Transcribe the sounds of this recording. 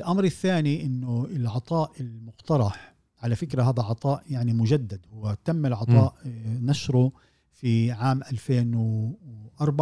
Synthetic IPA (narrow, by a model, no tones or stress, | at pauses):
ɪlʔamɾɪθːaːniʔɪnːʊɪlʕɑt̪ˤɑːʔɪlmʊqt̪ɑɾˤɑħ | ʕalafɪkɾaɦaːðaʕɑt̪ˤɑːʔjaʕnimʊd͡ʒad̪ːad̪hʊwːat̪amːɪlʕɑt̪ˤɑːʔnaʃɾˤʊ | fiʕaːmʔalfeːn | ʔɑɾˤbʕ